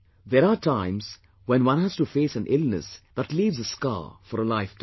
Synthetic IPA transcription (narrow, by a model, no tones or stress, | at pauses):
ðeɾaʈʰãɪ̃mz̥ | wɛ̃nwʌ̃nɦæz̥ʈufeːsæ̃nʔɪlnə̰sðæʈliːʋzəska̰ːfɔɾəlaɪfʈ